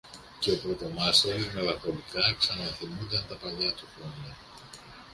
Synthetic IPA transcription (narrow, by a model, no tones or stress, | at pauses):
ceopɾot̪omɐst̪oɾizme̞lɐfo̞likɐksɐnɐθimund̪ɐnt̪ɐpɐʎɐt̪uxɾoɲɐ